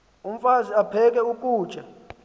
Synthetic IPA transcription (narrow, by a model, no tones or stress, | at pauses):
um̩faziapʰɛk̬ʼɛukʼu̥ːt͡ʃʼɛ